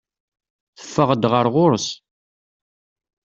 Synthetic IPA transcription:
θə̥fːəʁəd̪ʁəɾʁʊɾəs

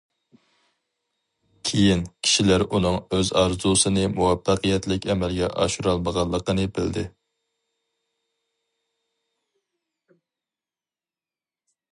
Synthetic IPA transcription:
kʲʰejinkʲʰi̥ʃilæɾunɨŋøzɑɾzusɨnɨmuwɛpːæqəjɛt̪lɪkʲɛmɛlɡʲɛʔɑ̰ʃuɾɑlˠməʁɑlˠːəqənɨbɪld̪ɪ

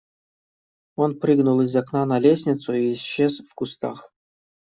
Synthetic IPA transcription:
onpɾɨɡnulˠɪzʲaknanɐlʲesʲnʲɪt̪sʊiːsɕːezfkʊst̪a̰x

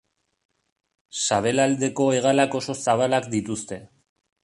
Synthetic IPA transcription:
saβe̞lald̪e̞ko̞e̞ɣalako̞so̞saβ̞alakd̪it̪ust̪e̞

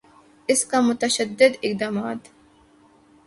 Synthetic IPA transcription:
ɪskamʊt̪ɐʃɐd̪ːɪd̪ɪq̚d̪aːmaːt̪

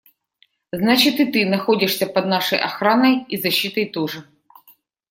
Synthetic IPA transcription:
znat͡ɕit̪it̪ɪnɐxɔdʲɪʂsʲɐpɐd̪nɑʂɔjʔɐ̰xɾɑnɐjizɐɕːit̪ɐjt̪ɔʐɛ

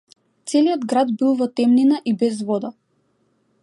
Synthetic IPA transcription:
t̪sɛliɔd̪ɡɾad̪bilˠvɔt̪ɛmninaʔibɛzvɔd̪a

